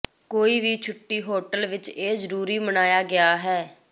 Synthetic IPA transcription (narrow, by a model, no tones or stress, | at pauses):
koːiːʋiːt͡ʃʰʊʈːiːɦoːʈəlʋɪt͡ʃeːzəɾuːɾiːmənaːjaːɡɪaːɦɛː